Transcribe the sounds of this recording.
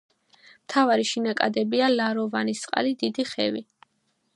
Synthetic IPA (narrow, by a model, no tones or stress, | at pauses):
mt̪ʰavaɾiʃinakʼad̪ɛbialaɾɔvanist̪sʼqʼa̰lid̪id̪iχɛ̰vi